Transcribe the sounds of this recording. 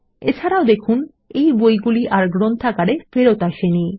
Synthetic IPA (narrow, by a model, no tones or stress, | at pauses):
ḛt͡ɕʰaɾaod̪ekʰun | ejbojɡuliʔaɾɡɾont̪ʰakaɽefeɾot̪aʃeni